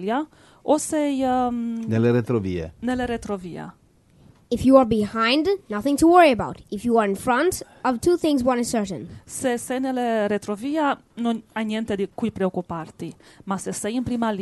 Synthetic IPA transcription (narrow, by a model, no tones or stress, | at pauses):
lja | osɛjneleɾet̪ɾovḭḛneleɾet̪ɾovia̰ | ɪfjuəɹbihãɪ̃ndnʌθɪ̃ŋtʰəwɜɹiəbaʊtɪfjuaɹɪ̃nfɹʌ̃nt | ɔv̥tʰuθɪ̃ŋzwʌ̃nɨz̥sɜ˞tnsesɛjneleɾet̪ɾovia | nonajnjɛnt̪ed̪ikujpɾeokupaɾt̪imasesɛjinpɾimal